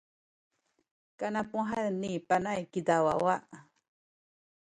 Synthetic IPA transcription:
kanãpũaɦanĩpanajkid̪awa̰waʔ

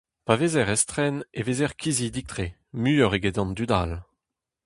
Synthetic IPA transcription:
pavezɛʁɛst̪χɛnevezɛʁkʰʲizid̪ik̚t̪χe | myɔʁeɡed̪ɑ̃nd̪yd̪al

